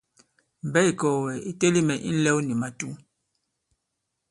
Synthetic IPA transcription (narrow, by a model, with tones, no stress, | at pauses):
m̩˨bɛ˦i˨kɔ˨wɛ˨i˨te˦li˦mɛ˨ʔi˦n̩˦lɛ˦wni˨ma˨tu˦